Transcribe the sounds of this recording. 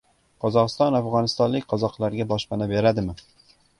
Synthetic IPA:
qʰɒzɒqɨst̪ɒnafʁɒnɪst̪ɒnlɪkʲqʰɒzɒqlˠaɾɡʲabɒʃpanabe̞ɾad̪ɪmɪ

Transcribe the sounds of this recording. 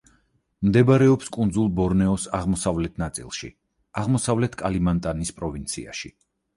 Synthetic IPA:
md̪ɛbaɾɛɔpskʼund̪zulˠbɔɾnɛɔsaʁmɔsavlɛt̪ʰnat̪sʼḭlˠʃḭ | aʁmɔsavlɛt̪ʰkʼalimant̪ʼanispʼɾɔvint̪sʰḭa̰ʃḭ

